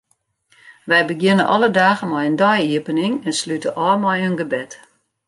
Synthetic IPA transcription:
ʋɛjbəɡjɪnənʔɔlədaːɣəmɔjəndɔjiəpənɪŋɛnslytəʔɔːmɔjønɡəbɛt

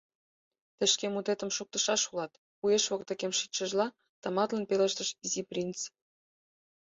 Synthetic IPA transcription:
t̪ə̆ʃkemut̪et̪ə̆mʃuk̚t̪ə̆ʃɑʃulɑt̪ | pujeʃβokt̪ĕkʲemʃit͡ɕə̆ʒlɑ | t̪ɑmɑt̪lənpelə̆ʃt̪ə̆ʃiziprʲint͡s

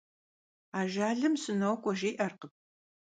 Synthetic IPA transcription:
aːʒaːɮɨmsɨnɐwkʷʼɔʒeːʔɐrqəp̚

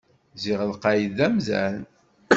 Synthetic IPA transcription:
ziʁəlqɑjiðæmzæ̰n

